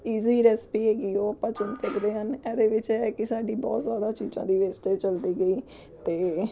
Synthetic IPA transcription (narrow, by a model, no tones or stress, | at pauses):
iːziːɾɛːspiːɦeːɡiːoːəpãːt͡ʃʊnsəkd̪eːɦənɛːd̪eːʋɪt͡ʃɛɛːkɪsaːɖiːbɔ̰ːt̪zjaːd̪aːt͡ʃiːd͡ʒã̰ːd̪iːʋeːsʈeːt͡ʃəld̪iːɡəiː | t̪eː